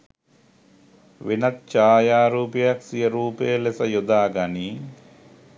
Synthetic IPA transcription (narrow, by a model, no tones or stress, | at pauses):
ʋinɐt̪̚t͡ʃaːjaːɾuːpjjɐksijɐɾuːpeːlesɐjud̪aːɡɐni